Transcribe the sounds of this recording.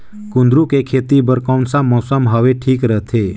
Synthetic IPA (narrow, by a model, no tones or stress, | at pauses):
kʊ̃nd̪ɾukekʰeːt̪ibəɾkawnsamːɔːsəmɦəʋeʈʰiːkɾət̪ʰe